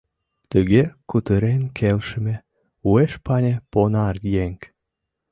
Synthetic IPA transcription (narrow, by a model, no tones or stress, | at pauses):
t̪əɣekut̪əɾenkʰelʃə̆me | ueʃpɑnʲeponɑrjeŋk